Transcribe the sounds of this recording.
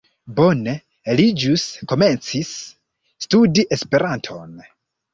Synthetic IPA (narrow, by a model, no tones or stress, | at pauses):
bone̞ | lid͡ʒusko̞me̞nt͡sisː | tudiʔe̞spe̞ɾantʰo̞̰n